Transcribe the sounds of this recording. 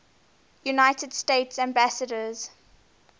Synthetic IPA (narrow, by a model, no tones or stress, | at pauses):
junaɪtəd̥steɪtsæ̃mbæsədəz̥